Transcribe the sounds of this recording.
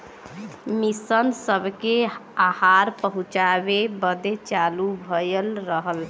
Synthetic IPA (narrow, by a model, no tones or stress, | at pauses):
misənsəbʱkeahaɾpəɦũt͡ʃabebəd̪et͡ʃalubʱəjəlɾəɦəl